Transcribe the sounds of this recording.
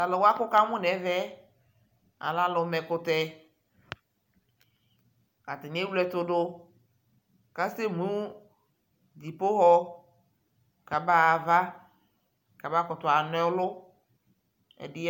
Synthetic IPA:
a˨lɔ˨wa˦kʊ˦ka˦mʊ̃˦nɛ˨˦vɛ˦ | a̰˨la˦lʊ˨˦mɛ˨kʊ˦t̪ɛ˦ | a˨t̪ɪ˨n˦e˦wu˦lɛ˦t̪ʊ˦dʊ˦ | ka˦se˦mũ˦ | d͡ʑi˨po˦ɦɔ˦ | ka˨ba˦˨va˦ | ka˨ba˦kɔ˨t̪ʊ˨a˨nɔ˦lʊ˦ | ɛ̰˨dɪ˦

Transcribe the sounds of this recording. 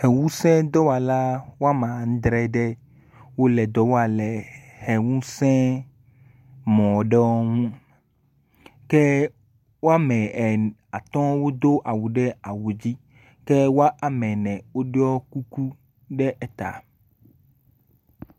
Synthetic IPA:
hɛ˨wũ˦sɛ̃˦d̪ɔ˦wa˨la˦wo˦a˦mã˨ŋ̩̃˦d̪ɾɛ˦ɖɛ˦ | wo˦lɛ˨d̪ɔ˦wo˦a˨lɛ˨hɛ˨wũ˦sɛ̃˦ | mɔ̃˨ɖɛ˦wɔ˦ŋũ˦ | kɛ˦ | wo˦a˦mɛ̃˨ɛ˨a˨t̪ɔ̃˦wo˦d̪o˦ʔa˨wu˨ɖɛ˦a˨wu˨d͡ʑi˦ | kɛ˦wo˦a˦ʔa˨mɛ̃˨nɛ̃˨wo˦ɖe˦ɔ˦ku˦ku˦ | ɖɛ˦ʔɛ˦t̪a̰˨

